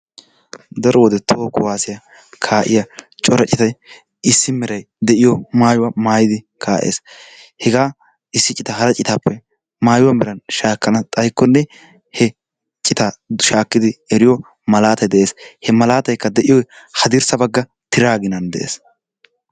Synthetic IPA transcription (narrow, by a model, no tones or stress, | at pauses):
d̪ɐɾɔwɔd̪ɛt̪ʰoːkʊwaːsɪjɐ | kʰaːʔɪ̰jɐt͡ʃʼɔɾɐt͡ʃʼɪt̪ɐj | ɪsːɪmɛɾɐj | d̪ɛʔɪjɔmaːjʊwamaːjɪd̪ɪ | kʰaːʔḛːs | hɛɡaː | ɪsːɪt͡ʃʼɪt̪ɐɦɐɾɐt͡ʃʼɪt̪aːpːɛ | maːjʊwamɪɾɐnʃaːkːɐnɐt̪ʼɐjkːɔnːɛ | hɛ | t͡ʃʼɪt̪aʃaːkːɪd̪ɪɛɾɪjɔ | mɐlaːt̪ɐjd̪ɛʔeːshɛmɐlaːt̪ɐjkːɐd̪ɛʔɪjɔjhɐd̪ɪɾsɐbɐɡːɐ | t̪ɪɾaːɡɪnɐnd̪ɛʔḛːs